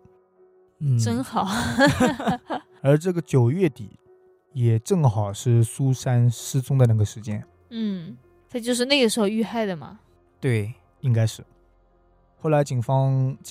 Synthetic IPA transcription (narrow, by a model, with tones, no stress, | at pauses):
n̩˥˩ʈ͡ʂə˥nxɑ˨˩˦ʊ | ə˞˧˥ʈ͡ʂɤ˥˩ɡə˩t͡ɕjo˨˩ʊɥɛ˥˩t̪ḭ˨˦ | jɛ˨˩ʈ͡ʂɤ˥˩ŋxɑ˨˩ʊʂɻ̩˥˩su˥ʂa˥nʂɻ̩˥t͡sʊ˥ŋd̪ə˨na˥˩ɡə˩ʂɻ̩˧˥t͡ɕjɛ˥n | n̩˥˩ | t̪ʰa˥˩t͡ɕjo˥˧ʊʂ̬ɻ̩˥˧na˥˩ɡə˩ʂɻ̩˧˥xo˧y˥˧xa˥˩ɪd̪ə˩mɐ̰˩ | t̪we˥˩ɪ | i˥ŋka˥ɪʂɻ̩˥˩ | xo˥˩ʊla˧˥ɪt͡ɕi˨˩ŋfɑ˥ŋt͡ɕ